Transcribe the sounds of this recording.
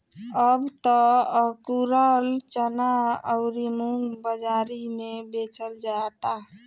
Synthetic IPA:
əbt̪ɔkuɾəlt͡ʃənaəʊɾimuŋɡbəd͡ʒaɾimebet͡ʃəld͡ʒat̪a

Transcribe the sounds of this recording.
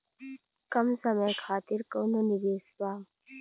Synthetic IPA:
kɐmsəməjkʰaːt̪ɪɾkoːnonɪbeːspaː

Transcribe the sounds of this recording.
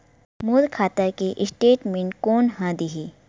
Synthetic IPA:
muːlkʰaːt̪əɾkeʔɪsʈeːʈmẽɳʈkoːnɦãd̪iɦi

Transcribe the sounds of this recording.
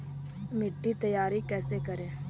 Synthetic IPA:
mɪʈːiːt̪əjaːɾiːkɛːsekəɾẽː

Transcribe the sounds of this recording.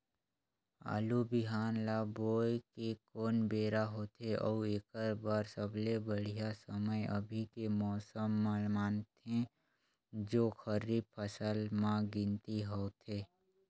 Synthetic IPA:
a̰ːlubɪɦaːnlaːboːjkekoːnbeːɾaɦoːt̪eʔɔːueːkəɾbaːɾsəblebəɽ̤ijasəməjə̰bʱikemɔːsəmːəlmaːnt̪ẽ | d͡ʒoːxəɾipʰəsəlmãɡɪ̃nt̪iɦoːt̪ʰeː

